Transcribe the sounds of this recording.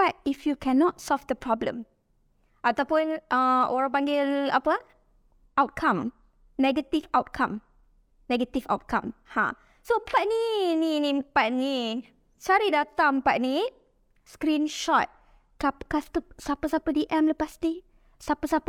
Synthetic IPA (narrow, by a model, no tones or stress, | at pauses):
ak̚ifjukʰɛnɔt̚sɔlfdəpɹɔblə̰̃m | ʔat̪awpunʔə̃ɔɹəpãŋɡɪlapə | ʔawt̚kʰãm | nɛɡət̪ifawt̚kʰãm | nɛɡət̪ifa̰wt̚kʰã̰mhã̰ | sopaʔnininĩpaʔni | t͡ʃaɾidat̪ãmpaʔ̚ni | skɾĩnʃɔt̚ | kapkast̪əsapəsapədiʔɛ̃mləpasti | sapəsapə